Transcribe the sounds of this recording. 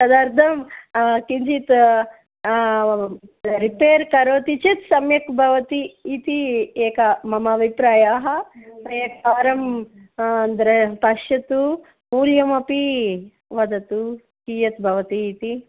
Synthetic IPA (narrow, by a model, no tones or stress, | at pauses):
sɐd̪aːɾt̪ʰɐmkint͡ʃit̪ | ɾipeːɾkɐɾoːt̪it͡ʃit̪sɐmjɐkbʱɐʋɐt̪iːt̪ieːkɐmɐmaːʋʱipɾaːjaːɦɐpɐjek̚paːɾɐm | ɐnd̪ɐɾepɐʃɐt̪u | muːljɐmɐpi | ʋɐd̪ɐt̪u | kiːjɐt̪bʱɐʋɐt̪iːt̪i